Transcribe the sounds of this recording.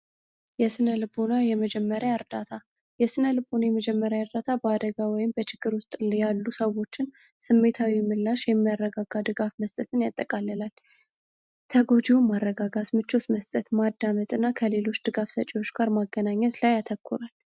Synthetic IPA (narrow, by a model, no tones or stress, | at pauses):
jɛsɨnəlɨbonajɛməd͡ʒɛmːəɾjaəɾd̪at̪ʰa | jɛsɨnəlɨbonajɛməd͡ʒɛmːəɾjaəɾd̪at̪ʰabəad̪əɡawɔjɪmbət͡ʃɪɡ̥ːɨɾwʊst̪ʼljalːusəwo̞t͡ʃːɪn | sɨmːe̞t̪ʰawimɨlːaʃjɛmːijarːəɡaɡad̪ɨɡafməst̪ʼət̪ʰɨnjat̪ʼːəkʼalːəlal | t̪ʰəɡo̞d͡ʒiwumarːəɡaɡat̪mɨt͡ʃːosməst̪ʼət̪mad̪ːamət̪ʼɨnːakʰəle̞lo̞t͡ʃːd̪̥ɨɡafsət͡ʃʼiwo̞t͡ʃːɡ̥aɾmaɡːənaɲːɛt̪lajat̪ʰəkʰːuɾal